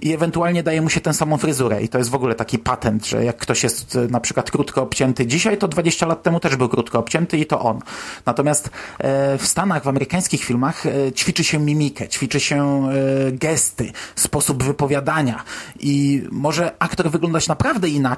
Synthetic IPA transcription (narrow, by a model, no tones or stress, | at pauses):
ʔiɛvɛnt̪ualɲɛd̪ajɛmuɕɛt̪ɛ̃w̃samɔ̃w̃fɾɘzuɾɛ̰ʔḭt̪ɔjɛs̬t̪vɔɡulɛt̪akʲipat̪ɛnd̪ʐɛ̰jakːt̪ɔɕjɛst̪napʂɘkwat̪kɾut̪kɔɔpt͡ɕɛnt̪ɘd͡ʑiɕajt̪ɔd̪vad͡ʑeɕt͡ɕalat̪ːɛmut̪ɛʐbɘwkɾut̪kɔːpt͡ɕɛnt̪ɘit̪ɔ̰ʔɔnnat̪ɔmʲjast̪ | fst̪anaɣvamɛɾɘkaj̃skʲixfʲilmaxt͡ɕfʲit͡ʂɘɕɛmʲimʲikɛt͡ɕfʲit͡ʂɘɕɛ | ɡɛst̪ɘspɔsubvɘpɔvʲjad̪aɲaʔimɔʐɛakt̪ɔɾvɘɡlɔ̃nd̪at͡ɕnapɾavd̪ɛina